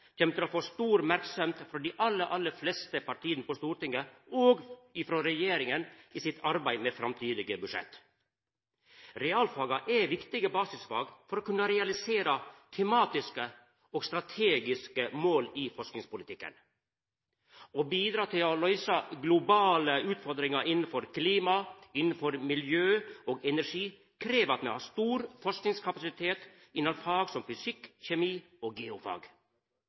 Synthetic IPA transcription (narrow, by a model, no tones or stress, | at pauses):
t̪ʰɛmət̪ʰɪloːfoːst̪uːɾmæɾksɔmt̪fɾɔːd̪iːʔɑlːəʔɑlːəflɛst̪əpʰɑʈʰiːənəpɔst̪uːɾʈɪŋːəoːɡɪfɾoːɾɛjeːɾɪŋənɪːsɪt̪ʰɑɾbæɪmɛfɾɑmt̪ʰyːd̪ɪɡəbʉʂɛ̰t̪ː | ɾɛɑːlfɑːɡɑʔɛʋɪkt̪ɪɡəbɑːsɪsfɑ̰ːɡfɔɾoːkʉnːəɾɛɑlɪseːɾɑt̪ʰɛmɑːt̪ɪskə | ɔːɡst̪ɾɑt̪ʰeːɡɪskəmoːlɪːfɔʂknɪŋspʊlɪt̪ʰɪkːə̰n | obiːd̪ɾɑːt̪ʰɪlɔlœʏsɑɡlʊbɑːləʉːt̪fɔɾd̪ɾɪŋɑɾʔɪnn̩fɔɾkʰliːmɑɪnn̩fɔɾmɪljøːoːɡɛnæʂiː | kʰɾeːʋɑt̪mɛ̰hɑːst̪uːɾfɔʂknɪŋskʰɑpɑsɪt̪ʰeːt̪ | ɪnɑlfɑːɡsɔmfʏsɪkːçɛmiː | oːɡɛːʊfɑ̰ːɡ